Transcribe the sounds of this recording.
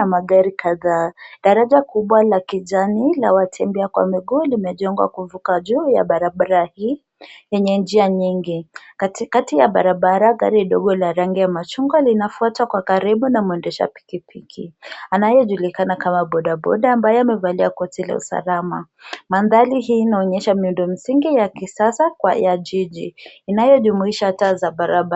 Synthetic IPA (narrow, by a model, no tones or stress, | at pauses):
amaɡaɾikaðaɗaɾaʄakuɓwalakiʄanila̰watʰɛmbɛakwa̰miɡuːlimɛʄɔŋɡwa̰kuvukaʄuːja̰ɓaɾaɓaɾahiː | jɛɲɛnd͡ʒiaɲiŋɡi | katijaɓa̰ɾaɓaɾaɠa̰ɾiɗɔɠɔlaɾaŋɡiamat͡ʃuŋɡwalinafuatakwakaɾiɓunamuɛndɛʃa̰pi̥kipʰikʰḭanajɔʄulikanakamaɓɔɗaɓɔ̰ɗaambajɔamɛvaliakɔtila̰ṵsa̰lama̰ | manðaliɦiːnaɔɲɛʃamiundɔm̩siŋɡijakisasakwa̰jaʄiʄḭːnajɔʄumuiʃatazaɓaɾaɓa